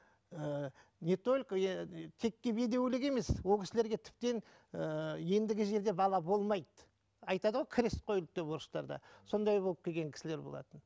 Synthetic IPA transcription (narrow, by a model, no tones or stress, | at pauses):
ə | nʲet̪o̞lʲkt̪ʰe̞kːʲebe̞d̪e̞wlɪkʲe̞me̞swolˠkʲʰɪ̥sɪle̞ɾɡʲe̞t̪ʰɪ̥p̚t̪e̞n | əje̞nd̪ɪɡʲɪʒe̞ɾd̪e̞bɑlˠɑbo̞lˠmɑjd̪ə | ɑjt̪ɑd̪əʁo̞jkʲʰɪɾe̞st̪̚qʰo̞jlˠəp̚d̪epo̞ɾəst̪ɑ̰ɾd̪ɑ̰so̞nd̪ɑjbo̞lˠəp̚kʲʰelɡʲe̞ŋkʲʰɪ̥sɪle̞ɾbolˠɑ̰t̪ən